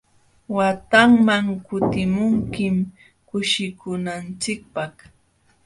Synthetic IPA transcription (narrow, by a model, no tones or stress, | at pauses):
wat̪aŋmaŋkʊt̪ɪmʊŋkɪm | kʊʃɪkʊnant͡ʃɪk̚pah